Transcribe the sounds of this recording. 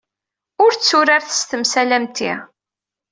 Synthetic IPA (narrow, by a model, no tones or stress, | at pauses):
ʊɾt͡sːʊɾaɾθə̥st̪əmsælæmt̪ḭ